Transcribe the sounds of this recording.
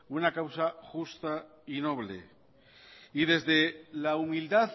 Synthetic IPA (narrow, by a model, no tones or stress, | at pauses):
unakawsaxust̪a | ino̞βlḛ | iðe̞zðelaumild̪að